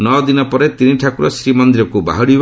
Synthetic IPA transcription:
nɔd̪inɔpɔɾet̪iniʈʰakuɾɔsɾimɔnd̪iɾɔkuba̰ɦɔɽib

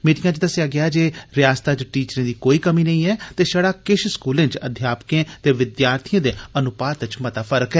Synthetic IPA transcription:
miːʈɪ̃jãːd͡ʒɪd̪əsaːɡɪaːd͡ʒeːɾɪjaːst̪aːt͡ʃʈiːt͡ʃɾẽːd̪iːkoːiːkəmiːnəĩːɛːt̪eːʃəɽaːkɪʃskuːlẽːt͡ʃəd̪ʱjaːpkẽːt̪eːʋɪd̪jaːɾt̪ʰijãːd̪eːənʊpaːt̪ət͡ʃmət̪aːpʰəɾəkɦɛː

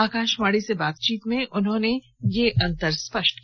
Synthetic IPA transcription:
aːkãːʃmaːɽisebaːt̪̚t͡ʃiːt̪mẽʔʊnɦõːne | jeʔɐ̃nt̪əɾspɐʃʈ

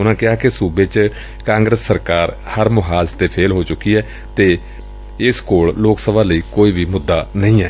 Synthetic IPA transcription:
ʊnãːkɪɦaːkɪsuːbeːt͡ʃ | kãːŋɡɾəsːəɾkaːɾ | həɾmʊɦaːzt̪eːpʰeːlɦoːt͡ʃʊkːiːɛː | t̪eː | ɪskoːɭloːksəbãːləiːkoːiːʋiːmʊd̪ːaːnəĩːɛː

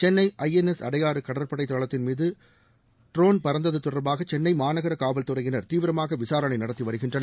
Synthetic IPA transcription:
t͡ʃɛnːɐɪʔɐjɛnɛsɐɽɐjaːɾɯkɐɽɐɾpɐɽɐɪt̪ːɔɭɐt̪ːɪnmiːðɯ | ʈɾoːnpɐɾɐnd̪ɐðɯt̪ːʊrɐɾbaːɣɐt͡ʃɛnːɐɪmaːnɐɣɐɾɐkaːʋɐlt̪ɯrɐjɪnɐɾt̪iːʋɪɾɐmaːɣɐʋɪsaːɾɐɳɐɪnɐɽɐt̪ːiʋɐɾɯɣɪndrɐnɐ

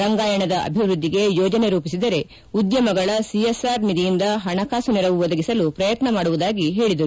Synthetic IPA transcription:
ɾɐŋɡaːjɐɳɐd̪ɐʔɐ̰bʱiʋɾud̪ʱːiɡe̞joːd͡ʒɐne̞ɾuːpisid̪ɐɾe̞ | ud̪jɐmɐɡɐɭɐsiesaːɾnid̪ijind̪ɐɦɐɳɐkaːsuniɾɐʋuʋɔd̪ɐɡisɐlupɾɐjɐt̪nɐmaːɽuʋud̪aːɡiɦe̞ːɭid̪ɐɾuu

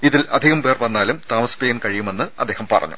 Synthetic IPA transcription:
iðilʔɐd̪ʱiɣɐmʋeːrʋɐnːaːlumt̪aːmɐspeːɣɐnkɐɻijume̞nːɨɐ̰d̪ːe̞ːhɐmpɐ̰rɐ̰ɲːṵ

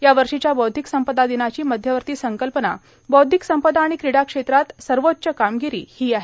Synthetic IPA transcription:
jaʋəɾʂit͡ɕjabɔwd̪ʱiksəmpəd̪ad̪inat͡ɕiːməd̪ʱjəʋəɾt̪iːsəŋkəlpəna̰ | bɔwd̪ʱiksəmpəd̪aːɽ̃ikɾiɽakʂet̪ɾat̪səɾʋot̪̚ːt͡ɕəkamɡiɾḭːhiːaɦe

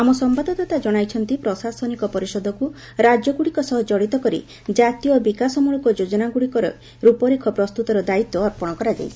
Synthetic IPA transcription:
amɔsɔmbad̪ʱɔt̪ɔt̪ad͡ʒɔɽ̃ajt͡ʃʰɔnt̪ipɾɔsasɔnikɔpɔɾisɔd̪ʱɔku | ɾad͡ʒɔɡuɽikɔsɔɦɔd͡ʒɔɽit̪ɔkɔɾḭ | d͡ʒat̪ijɔbikasɔmuɭɔkɔd͡ʒod͡ʒɔnaɡuɽikɔɾɔ̰ | ɾupɔɾikʰɔpɾɔst̪ut̪ɔɾɔd̪ait̪ːɔːɾpɔɽ̃ɔkɔɾad͡ʒa̰jt͡ʃʰi̥

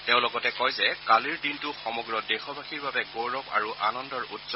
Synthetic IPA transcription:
tẽʊ̃lɔɡɔtɛkɔjzɛkaliɹdintʊxɔmɔɡɹɔdexɔbʱaxiɹbabɛɡoɹɔpa̰ɹuʔanɔndɔɹutsɔ

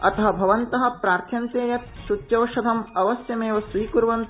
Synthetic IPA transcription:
ɐt̪ɐɦɐ̆bʱɐʋɐnt̪ɐɦɐ̆pɾaːɾk̪ʰjɐnt̪eːjɐt̪ʃut̪jɐʋʃɐd̪ʱɐmɐʋɐsjɐmeːʋɐsʋiːkuɾʋɐnt̪

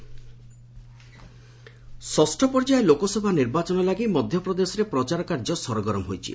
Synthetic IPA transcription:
sɔsʈʰɔpɔɾd͡ʒaelokɔsɔbʱaniɾbat͡ʃɔnɔlaɡimɔd̪ʱjɔpɾɔd̪esɔɾepɾɔt͡ʃaɾɔkaɾd͡ʒɔsɔɾɔɡɔɾɔmɦo̰jt͡ʃʰḭ

